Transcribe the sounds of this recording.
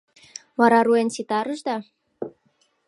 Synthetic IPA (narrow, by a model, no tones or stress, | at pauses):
mɑɾɑɾuensit̪ɑɾə̆ʒd̪ɑ